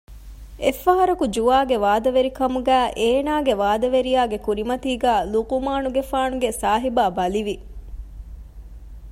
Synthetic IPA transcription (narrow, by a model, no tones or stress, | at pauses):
efːɐɦɐɾɐkud͡ʒuaːɡeʋaːd̪ɐʋeɾikɐmuɡæːʔeːnaːɡeʋaːd̪ɐʋeɾijaːɡekuɾimɐt̪iːɡæːluqumaːnuɡefaːnuɡesaːɦibaːbɐliʋi